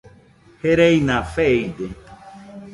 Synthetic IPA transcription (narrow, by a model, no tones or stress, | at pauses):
heɾejnãfejd̪e